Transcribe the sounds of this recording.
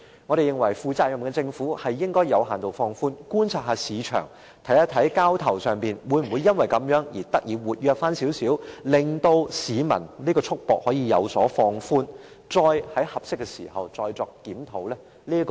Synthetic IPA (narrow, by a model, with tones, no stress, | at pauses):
ŋɔː˨˧ɾe˨jɪ˨ŋwɐ˨˩jfuː˨˧t͡saː˧t̚jɐ˨˩mkɛ˧t͡sɪ˧ŋfuː˨˥hɐ˨jːɪ˥ŋkɔː˥jɐ˨˧whaː˨nt̪o˨˩wfɔː˧ŋfuː˥nkuː˥nt͡sʰaː˧t̚ɦaː˨˧siː˨˧t͡ʃʰœ̰ː˨˩ŋ | t̪ʰɐ˨˥jɐ˥t̪ʰːɐ˨˥jkaː˥wt̪ʰɐ˨˩wsœː˨˩ŋpiː˨nwuː˨˧jm̩˨˩wu˨˧jɐ˥nwɐ˨jkɐ˨˥mjœː˨˥ŋjiː˨˩t̪ɐ˥k̚jiː˨˧wuː˨t̚jœː˧k̚faː˥nsi˨˥wsiː˨˥wlɪ˨˩ŋt̪o˧wsiː˨˧mɐ̰˨˩nliː˥kɔː˧t͡sʰʊ˥k̚pɔː˨k̚hɔː˨˥jiː˧jɐ̰˨˧wsɔː˨˥fɔː˧ŋfuː˥n | t͡sɔː˧jhɐ˨˥jhɐ˨p̚sɪ˥kːɛ˧sḭː˨˩hɐ̰˨wt͡sɔː˧jt͡sɔː˧k̚ːiː˨˥mt̪ʰo˨˥wlɛː˥ | liː˥k